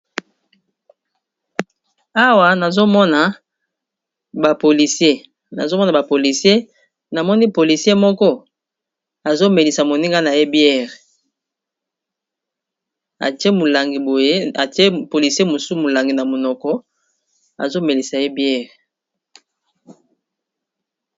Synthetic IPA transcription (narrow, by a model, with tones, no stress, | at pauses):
a˦wa˨na˨zo˦mɔ˦na˨ | ba˨po˨li˨se˦ | na̰˨zo˦mɔ˦na˨ba˨po˨li˨si˦e˦ | na˨mɔ˦ni˦po˨li˨sje˦mɔ˦kɔ˦ | a˨zo˦me˨li˨sa˨mo˨ni˦ŋɡa˦na˨je˦bjɛ˦˨ʁ | a̰˨te˦mo˨la˨ŋɡi˨bo˨je˦a˨te˦po˨li˨sje˦mo˨su˦mo˨la˨ŋɡi˨na˨mo˨nɔ˨kɔ˦ | a̰˨zo˦me˨li˨sa˨je˦bjɛ˦ʁ